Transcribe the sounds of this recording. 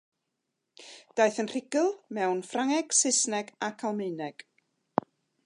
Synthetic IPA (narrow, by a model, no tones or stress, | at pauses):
d̥ajθənr̥ɪɡɨlˠmɛwnfraŋɛɡ̥sɪsnɛɡakʰalˠmejnɛɡ̥